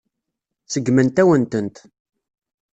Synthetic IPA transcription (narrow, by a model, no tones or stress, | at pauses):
t͡sːəɡmənt̪æwənt̪ənt̪